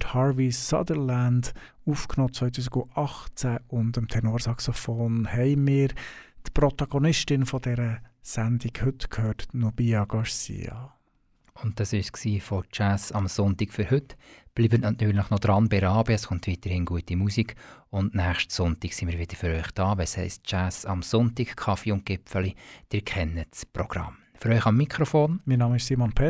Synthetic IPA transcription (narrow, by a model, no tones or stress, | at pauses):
thɑːɹʋisɑ̰dəɾlænd | ufknoːt͡sʋœʏtʰuːs̬iɡʊɑχt͡sæʊndəmt̪ʰɛnoːɾsɑksofoːnhɛɪmɪːɾtprɔt̪ɑɡ̥onɪʃtɪnfɔd̥ɛɾəsændiɡhʏtkʰhøːtnubiɑɡ̥ɑɹsḭːɑ̰ | ʊnt̚dɑsɪʃksiːfɔt͡ʃæsɑmsʊntikfʏɾhɵtb̥liːbətnɑtntyːɾlɪχnɔd̪̥ɾɑnbɛɾɑːbəɛsχʊntʋit̪əɾhɪnɡuətimusiɡʊndnæːχʃtsʊntiɡsimiːɾʋɪd̥əfʏɾœʏχd̥ɑːʋɛshɛɪstt͡ʃæsɑmsʊntiɡkʰχɑfiʊnt̚ɡ̥ɪpfəlid̥ɪɾkʰɛnːət͡sprɔɡ̥rɑ̰m | fʏɾœʏχɑmːikχɾɔfoːnminɑːməɪʃsiːmɔnpʰɛ